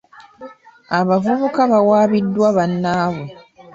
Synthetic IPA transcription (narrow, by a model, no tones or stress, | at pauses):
aβavuβukaβawaːβidːwaβanːaːβu